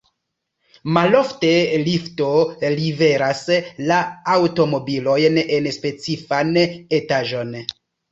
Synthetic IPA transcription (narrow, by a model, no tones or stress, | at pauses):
malo̞fte̞lifto̞live̞ɾaslaawto̞mo̞bilo̞jne̞nspe̞t͡sifane̞taʒo̞n